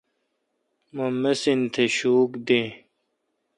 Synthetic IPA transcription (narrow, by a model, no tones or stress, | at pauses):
momːesint̪ʰeɕuːkd̪ẽː